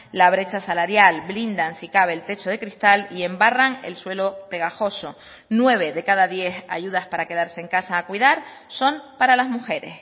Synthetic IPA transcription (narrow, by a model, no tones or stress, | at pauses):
laβ̞ɾe̞t͡ʃasalaɾjalblind̪ansikaβe̞ːlt̪e̞t͡ʃoð̞e̞kɾist̪alie̞mbaraŋe̞̰lswe̞lo̞pe̞ɣ̞axo̞so̞ | nwe̞β̞e̞ðe̞kaðaðje̞xa̰ʝuð̞aspaɾake̞ðaɾse̞ːŋkasaːkwiðaɾso̞mpaɾalazmuxe̞ɾe̞̰s